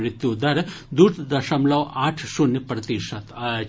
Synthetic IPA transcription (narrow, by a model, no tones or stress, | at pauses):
ɾit̪jud̪ɐɾd̪uɾt̪d̪ɐʃɐmlɐʋaːʈʰʃunjɐpɾɐt̪iʃɐt̪ɐ